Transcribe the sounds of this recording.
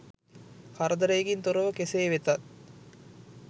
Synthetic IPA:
kaɾəd̪əɾejeɡint̪oɾəʋəkeseːʋet̪at̪̚

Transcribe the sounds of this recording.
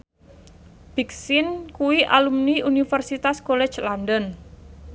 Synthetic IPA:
b̥iksɪnkuwiʔalumniunifərsit̪askolɛ̥d͡ʒlandən

